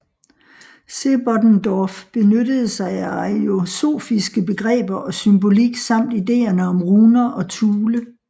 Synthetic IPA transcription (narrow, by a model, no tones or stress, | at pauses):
se̝b̥ɒd̥nd̥ɒfb̥e̝nød̥əð̞̩ˠsɑ̈ɪæɑio̝so̝̰ːfisɡ̥əb̥e̝ɡ̥ʁɛ̰ːb̥ɐʔɒ̽symbo̝liɡ̥sɑ̈m̰d̥ide̝̰ːɐnəɒ̽mʁuːnɐʔɒ̽t͡sʰuːlə